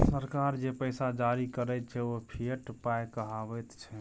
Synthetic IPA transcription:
səɾkaɾd͡ʒepəjsad͡ʒaɾikəɾɛt̪̚t͡ʃʰɛopʰieʈpajkəɦabɛt̪t͡ʃʰɛ

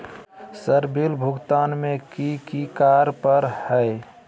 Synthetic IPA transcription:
səɾbilbʱʊɡt̪aːnmẽkikikaɾpəɾhəɪ

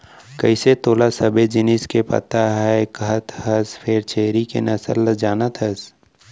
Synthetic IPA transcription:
kəɪset̪oːlasəbed͡ʒɪnɪskepɐ̰t̪aɦɛkəɦət̪həspʰeːɾt͡ʃʰeːɾikḛnɐsə̰ld͡ʒaːnət̪ɦəs

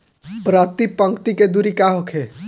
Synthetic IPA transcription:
pɾaːt̪ipə̃ŋkt̪iked̪uɾikaːɦokʰe

